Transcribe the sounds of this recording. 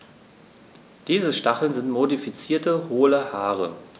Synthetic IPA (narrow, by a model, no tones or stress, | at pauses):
d̥iːzəʃtaχl̩nzɪntmodifit͡siːɐtəhoːləhaːʁə̰